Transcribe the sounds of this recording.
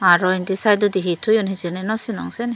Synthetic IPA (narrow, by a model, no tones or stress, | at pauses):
aɾɔind̪isajd̪ɔd̪iɦit̪ʰujɔnɦit͡ʃenɛnɔsinɔ̰ŋsɛn